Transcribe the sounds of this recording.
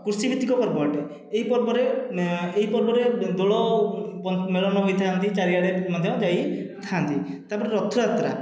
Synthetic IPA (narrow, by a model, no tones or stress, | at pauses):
kuɾsibʱit̪ːikɔpɔɾbɔʈe | eɦipɔɾbɔɾeeɦipɔɾbɔɾed̪oɭɔpɔmeɭɔnɔɦojt̪ʰaɦant̪it͡ʃaɾiaɽemɔd̪ʱjɔd͡ʒajt̪ʰaɦant̪i | t̪apɔɾeɾɔt̪ʰːuɾat̪ɾa̰